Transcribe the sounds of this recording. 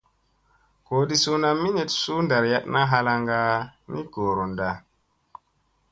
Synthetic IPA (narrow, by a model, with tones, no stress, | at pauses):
koː˨di˦su˦na˦˨mi˦ɲe˨tsu˦nda˨ɾja˦tna˦ɦa˧la˧ŋɡa˦ni˦ɡ̥o˨ɾo˨nda˨